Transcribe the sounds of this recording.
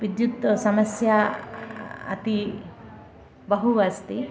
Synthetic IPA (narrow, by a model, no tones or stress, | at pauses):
bid̪jut̪ːɔsɐmɐsja | ɐ̰t̪i | bɐɦubast̪i